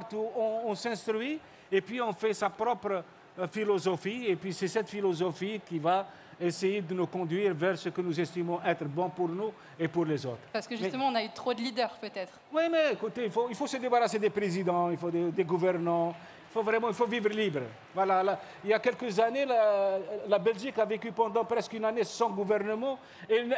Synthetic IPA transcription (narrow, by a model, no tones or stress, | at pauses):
paʁt̪uɔ̃ɔ̃sɛ̃st̪χɥi | epɥiɔ̃fɛsapʁɔpʁə | filɔzɔfiepɥisɛsɛt̪filɔzɔfikiva | esejed̪ənukɔ̃d̪ɥiʁvɛʁsəkənuzɛst̪imɔ̃ʔɛt̪ʁəbɔ̃puʁnu | epuʁlezo̰t̪ʁpaʁsə̥kəʒymsɛt̪əmɑ̃ɔ̃nayt̪χod̪əlid̪œʁpøt̪ɛt̪χwimɛekut̪eilfoilfosəd̪ebaʁased̪epʁezid̪ɑ̃ilfod̪ed̪eɡuvɛʁnɑ̃ | ilfovʁɛmɑ̃ilfovivʁəlibʁ | vwalala | iljakɛlkəzanelalabɛlʒikavekypɑ̃d̪ɑ̃pʁɛskynanesɑ̃ɡuvɛʁnəmɑ̃ | en